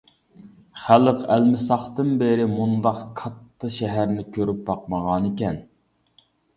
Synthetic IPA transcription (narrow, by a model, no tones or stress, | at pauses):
χæləqælmɪsɑχt̪ɨnbeɾɪmund̪ɑqkʰɑt̪ʰːɑʃɛɦæɾnɪkʲʰøɾyp̚bɑqməʁɑnɪkʲɛn